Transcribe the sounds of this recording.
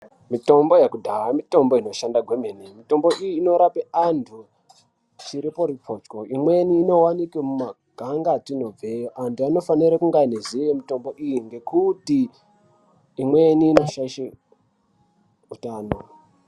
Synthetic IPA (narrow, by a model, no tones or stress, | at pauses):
mito̞mbo̞jekudʱawamito̞mbo̞ino̞ʃandaɡʱwemenimito̞mbo̞ʔijiːno̞ɾapeantʰu | t͡ʃiɾipo̞ɾipo̞ːt͡ʃko̞imweniːno̞wanikwemuma | ɡ̥ʱaŋɡatino̞b͡vejoʔantuano̞faniɾakuŋɡainezijemito̞mbo̞ʔijiŋɡe̞kuti | mwe̞niːno̞ʃaiʃe | utaːno̞